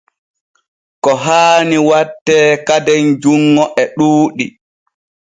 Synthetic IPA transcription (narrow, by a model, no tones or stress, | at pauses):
kɔɦaːniwatːɛːkadɛnd͡ʒuŋːɔʔɛɗuːɗi